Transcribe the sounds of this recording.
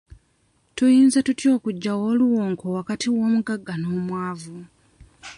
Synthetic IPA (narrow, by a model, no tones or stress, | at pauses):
tujiːnzatutjo̞ːkuɟːawoːluwoːŋkʰo̞wakatʰiwo̞ːmuɡaɡːano̞ːmwaːvu